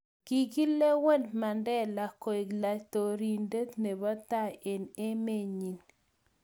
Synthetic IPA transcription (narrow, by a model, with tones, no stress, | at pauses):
ɡ̥i˨ɡi˦le˦wɛ˦ndma˨ndɛ˦la˨ko˨i˨ɡla˨t̪o˨ɾi˨nde˦t̪ne˨ba˦t̪a˦e˨ne˦me˦ɲi˨n